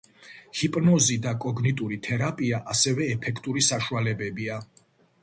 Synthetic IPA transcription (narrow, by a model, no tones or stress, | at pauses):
hipʼnɔzid̪akʼɔɡnit̪ʼuɾit̪ʰɛɾapʼiaʔasɛvɛːpʰɛkʰt̪ʼuɾisaʃualɛbɛbia